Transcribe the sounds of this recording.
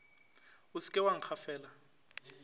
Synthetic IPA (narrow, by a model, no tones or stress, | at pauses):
usi̥kʼɛwaŋ̩k͡xʰafɛːla